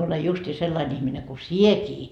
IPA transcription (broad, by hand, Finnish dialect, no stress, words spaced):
olej justiː selːɑin ihmine ku siekiː